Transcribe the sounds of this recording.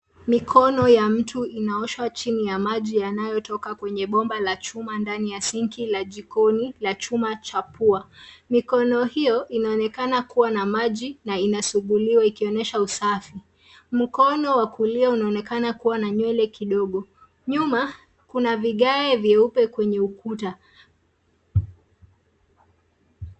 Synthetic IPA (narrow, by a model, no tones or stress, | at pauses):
mikʰɔnɔjam̩tuinaɔʃwat͡ʃinijamaʄijanajɔtɔkakwɛɲɛɓɔmbalat͡ʃumandanijasiŋkilaʄikɔnilat͡ʃumat͡ʃapuamikɔnɔhijɔʔinaɔnɛkanakuwanamaʄinainasuɠuliwaikiɔnɛʃausafi | m̩kɔnɔwakuliaunaɔnɛkanakuwanaɲwɛlɛkiɗɔɠɔ | ɲuma | kunaviɠaɛvjɛupɛkwɛɲɛukuta